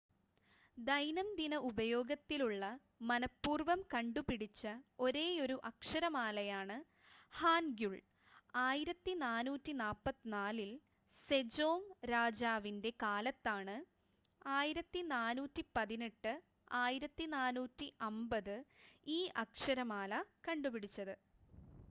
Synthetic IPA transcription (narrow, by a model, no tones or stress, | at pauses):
d̪ɐjnɐmd̪inɐubɐjo̞ːɡɐt̪ːiluɭːɐ | mɐnɐpːuːrʋɐmkɐɳɖupiɽit͡ɕːɐo̞ɾe̞ːo̞ɾuʔɐkʂɐɾɐmaːlɐjaːɳɨ | haːnɡjuɭ | aːjiɾɐt̪ːinaːnuːtːinaːpːɐt̪ːinaːlil | se̞d͡ʑo̞ːmɾaːd͡ʑaːʋinde̞kaːlɐt̪ːaːɳɨ | aːjiɾɐt̪ːinaːnuːtːipɐðine̞ʈːɨ | aːjiɾɐt̪ːinaːnuːtːiʔɐmbɐðɨiːʔɐkʂɐɾɐmaːlɐkɐɳɖupiɽit͡ɕːɐðɨ